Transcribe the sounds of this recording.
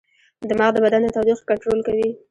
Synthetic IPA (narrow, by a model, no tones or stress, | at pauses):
d̪əmaɣd̪əbad̪and̪ət̪ɑd̪ixkaɳʈɾolkawi